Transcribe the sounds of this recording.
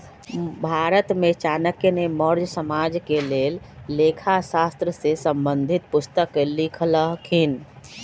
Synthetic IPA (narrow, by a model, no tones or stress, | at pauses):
bʱaɾət̪met͡ʃanəkeneməɾd͡ʒsəmad͡ʒkelelː | ekʰasast̪ɾəsesəmbənd̪ʱit̪pʊst̪əkːelikʰləɦkʰin